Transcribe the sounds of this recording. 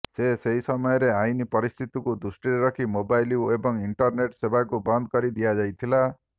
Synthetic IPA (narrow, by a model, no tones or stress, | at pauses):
seseɦisɔmɔjɔɾeajnipɔɾist̪ʰit̪ikud̪usʈiɾeɾɔkʰimobajliebɔŋiɳʈɔɾneʈsebʱakubɔnd̪kɔɾid̪ijad͡ʒajt̪ʰila